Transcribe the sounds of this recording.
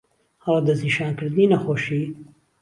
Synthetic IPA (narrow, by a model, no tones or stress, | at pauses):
hɑlˠd̪ɐzniʃaːnkɨɾd̪ɨniːnɐxoːʃi